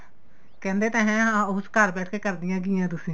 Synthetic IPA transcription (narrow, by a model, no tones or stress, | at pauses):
kɛ̃ːnd̪eːt̪ɛ̃ːɦɛ̃ːɦãːʊʊskaɾbɛːʈʰkeːkəɾd̪ɪjãːɡɪjãːt̪̬ʊsĩː